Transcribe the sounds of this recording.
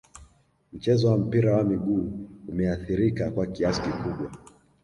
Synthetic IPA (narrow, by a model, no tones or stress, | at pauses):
m̩t͡ʃɛzɔwam̩piɾawamiɠuːumɛaθiɾikakwakiasi̥kikuɓwa